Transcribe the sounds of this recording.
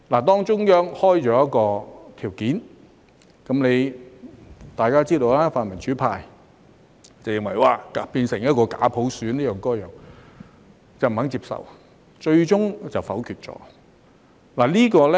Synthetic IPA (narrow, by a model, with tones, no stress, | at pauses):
laː˨˩t̪ɔː˥ŋt͡ʃʊ˥ŋjœː˥ŋhɔː˥jt͡ʃɔː˨˥jɐ˥t̚kɔː˧t̪ʰiː˨˩wkiː˨˥n | kɐ˨˥mle˨˧j | t̪aː˨jkaː˥t͡siː˥d̪o˧wlaː˥faː˨˧nmɐ˨˩nt͡ʃʰyː˨˥pʰaː˧j | t͡sɐ˨˩wjɪ˨ŋwɐ˨˩jwaː˨˩ka˨piː˧nsɪ˨˩ŋjɐ˥t̚kɔː˧ka̰ː˨˥pʰo˨˧˥wsyː˨˥nliː˥jœː˨˩ŋkɔː˥jœː˨˩ŋ | t͡sɐ˨wm̩˨˩hɐ˨˥ŋt͡siː˧p̚sɐ̰˨w | t͡ʃɵ˧ɥt͡ʃʊ˥ŋt͡sɐ˨wfɐ˨˥wkʰyː˨t̚t͡ʃɔ̰ː˨˥ | laː˨˩liː˥kɔː˧lɛ˦